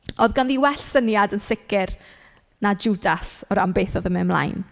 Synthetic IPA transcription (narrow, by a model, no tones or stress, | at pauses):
oðɡanðiwɛɬsənjadənsɪkɪr | nad͡ʒudasɔɾambeːθɔðəmɪmlˠa̰jn